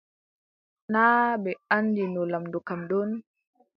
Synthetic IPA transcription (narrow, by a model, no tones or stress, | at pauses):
naːbɛanːdinɔlamdukamɗɔn